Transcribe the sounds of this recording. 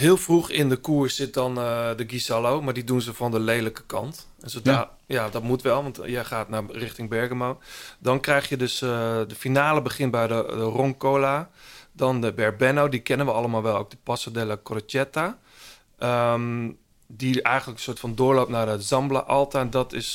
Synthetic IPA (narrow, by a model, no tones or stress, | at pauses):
ɦɪːlˠfruxɪndəkuəɹssɪt̚dɔndəɡizalowmaɹdidunzəfɔndəlejləkə̥kɑ̰nt | ɛnzoda | jadɔtmutʋɛlˠʋɑntjəχaːtnarɪxtɪŋbɛɹɡəmowdɔnkrɛjxjədøsdəfinaːləbəχɪnbɛjdədəroŋkoːladɔndəbɛrbɛnowdikɛnənʋəɑlˠəmaːlˠʋɛlˠowk̚dəpɔsadɛləkrot͡ʃɛta | ʔəm | diɛjχənləkən̩sʊətfɔndʊːɹlowp̚nadəzɑmbla̰ʔɔlˠtandɔtɪs